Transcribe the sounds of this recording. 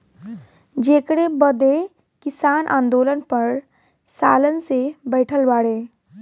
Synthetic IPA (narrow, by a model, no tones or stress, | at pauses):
d͡ʒeːkɽebəd̪e | kɪsaːnʔã̰ːnd̪oːlənpəɾ | saːlənsebɛːʈʰəlbaːɽeː